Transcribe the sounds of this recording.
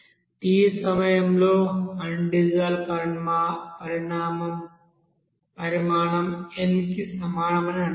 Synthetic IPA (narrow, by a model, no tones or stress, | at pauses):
iːsɐmɐjɐmloːɐɳɖiɣaːlpɐmapɐɾiɳaːmɐm | pɐɾimaːɳɐmenkːisɐmaːɳɐmenɐɳ